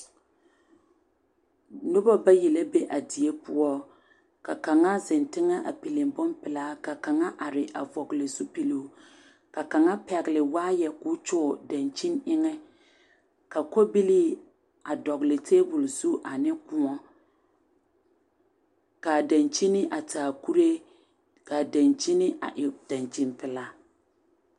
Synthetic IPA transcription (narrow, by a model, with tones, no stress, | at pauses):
nʊ˦bɔ˦ba˦ji˨la˦be˦ʔa˨di˨e˦pʊ˦ɔ˦ | ka˨ka˨ŋa˦zɪ˨ntɪ˦ŋa˦ʔa˨pi˨lɪ˨mbʊ˦mpɪ˨laː˦ka˨ka˨ŋa˦ʔa˨ɾɪ˨ʔa˨vɔ˨ɡlɪ˨zu˦pi˨lu˨ | ka˨ka˨ŋa˦pɛ˨ɡɪ˨lɪ˨waː˦jɛ˨kʊ˦t͡ʃʊ˦˨da˨nt͡ʃi˦nɪ˦ŋɛ˦ | ka˨ko˦bi˦li˦ | a˨dɔ˨ɣlɪ˨teː˦bʊ˨lzu˦ʔa˨nɪ˦kʊ˦ŋɔ˦ | ka˨da˨nt͡ʃi˦nɪ˦ʔa˨taː˨ku˦ɾe˦ | ka˨da˨nt͡ʃi˦nɪ˦ʔa̰˨ʔɪ˨d̥a˨nt͡ʃi˨npɪ˨la˦